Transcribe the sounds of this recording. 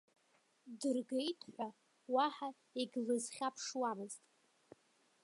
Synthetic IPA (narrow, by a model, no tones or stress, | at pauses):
dɨrɡejtʰħʷa | waħa | eɡʲlɨzχʲapʰʂwamɨztʼ